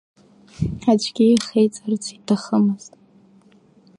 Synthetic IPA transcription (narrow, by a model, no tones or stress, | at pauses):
ad͡ʒɡʲijχejt͡sʼart͡sʰitʰaχəmɨz̥tʼ